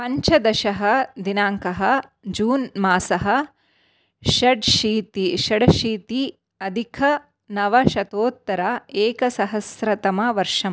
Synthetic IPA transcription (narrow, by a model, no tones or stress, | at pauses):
pɐɲt͡ʃɐd̪ɐʃɐɦɐd̪inaːŋkɐɦɐd͡ʒuːnmaːsɐɦɐ̆ | ʃɐɖʃiːt̪iʃɐɽɐʃiːt̪i | ɐd̪ʱikʰɐ | nɐʋɐʃɐt̪oːt̪ːɐɾɐeːkɐsɐɦɐsɾɐt̪ɐmɐʋɐɾʂɐm